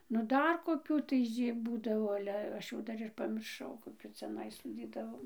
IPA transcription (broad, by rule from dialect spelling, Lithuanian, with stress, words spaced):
nʊ ˈdɐr koːˈkʲuː tɐɪ ˈʒʲiː ˈbuːdɐʋoː ˈɑːlʲɛ ˈɐʃ jɛʊ ˈdɐr ɪr pɐmʲɪrˈʃɐʊ koːˈkʲuː t͡sʲɛˈnɐɪ soːˈdʲiːdɐʋoːm